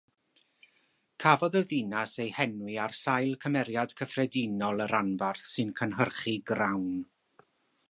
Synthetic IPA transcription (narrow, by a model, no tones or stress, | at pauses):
kʰavɔðəðɪnasejhɛnwɨarsajlˠkʰəmɛɾjad̥kʰəfrɛdinɔlˠəɾanvarθsɨnkʰənɦərχiɡrawn